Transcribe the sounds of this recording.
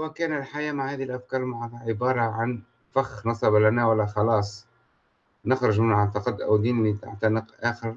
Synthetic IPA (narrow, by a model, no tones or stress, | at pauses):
wækæːnlħajamaʕhæːðilʔafkɑːɾˤmaʕad̪ʕɪbɑːɾˤɑʕan | faxnɑsˤɑblænæwælːæxɑlɑːsˤ | nəxɾʊʒmənʕat̪ːɑqɑd̪ːʔæwd̪iːnnit̪a̰ʕt̪ɑnəqʔæxəɾ